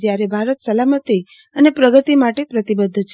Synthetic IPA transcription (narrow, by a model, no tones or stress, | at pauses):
d͡ʒjaɾebʱaɾət̪səlamət̪i | ənepɾəɡət̪imaʈepɾət̪ibəd̪ʱːt͡ʃʰ